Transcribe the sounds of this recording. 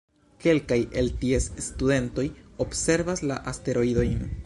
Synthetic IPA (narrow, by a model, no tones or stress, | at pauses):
ke̞lkaje̞ltie̞sːtude̞nto̞jo̞bse̞ɾvaslaʔaste̞ɾo̞ido̞jn